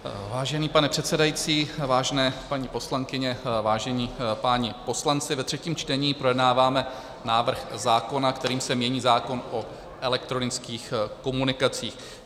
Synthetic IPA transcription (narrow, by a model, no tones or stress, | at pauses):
vaːʒɛniːpanɛpr̥ɛt̪sɛdajit͡siːvaːʒɛnɛːpaɲipo̞slaŋkɪɲɛvaːʒɛɲiːpaːɲɪpo̞slant͡sɪvɛt̪r̝̥ɛciːmt͡ʃt̪ɛɲiːpɾo̞jɛdnaːvaːmɛ | naːvr̩xzaːko̞nakt̪ɛɾiːmsɛmɲɛɲiːzaːko̞nʔo | ʔɛlɛk̚t̪ɾo̞nɪt͡skiːxko̞munɪkat͡siːx